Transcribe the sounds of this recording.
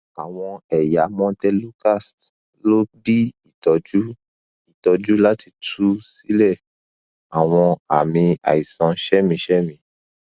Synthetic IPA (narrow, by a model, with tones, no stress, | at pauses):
a˨w̃ɔ̃˧ɛ˨ja˨˦mɔ̃˦tɛ˦lu˦ka˦˨st | lo˦bi˦i˦˨tɔ˨d͡ʒu˦ | i˦˨tɔ˨˧d͡ʒu˦la˦ti˧tʰu˦si˦lɛ˦˨ | a˨w̃ɔ̃˧a̰˨mĩ˧a̰˨i˨sã˨˧ʃɛ˦mĩ˧˦ʃɛ˦mĩ˧